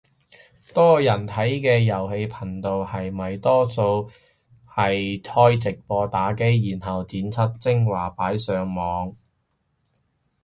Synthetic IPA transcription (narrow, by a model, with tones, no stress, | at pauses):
t̪ɔː˥jɐ˨˩nt̪ʰɐ˨˥jkɛː˧jɐ˨˩whe˧jpʰɐ˨˩nt̪o˨whɐ˨jmɐ˨jt̪ɔː˥so˧w | hɐ˨jt̪ʰɔː˥jt͡sɪ˨k̚pɔː˧t̪aː˨˥ke˥jjiː˨˩nɦɐ˨˩wt͡siː˨˥nt͡sʰɐ˥t̚t͡sɪ˥ŋwaː˨˩paː˨˥jsœː˨˧ŋmɔː˨˧ŋ